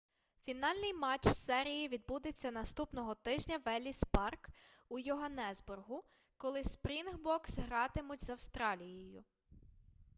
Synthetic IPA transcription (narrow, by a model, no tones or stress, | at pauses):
fʲinɑlʲnɪjmɑt͡ʃsɛɾʲijiʋʲid̪̚bud̪et͡sʲːɐnɐst̪upnɔɦɔt̪ɪʒnʲɐʋɛlʲispɑrkujʊɦɐnɛzbʊrɦʊ | kɔlˠɪspɾʲinɦbɔksɦɾɑt̪ɪmʊtʲzɐwst̪ɾɑlʲijɔjʊ̰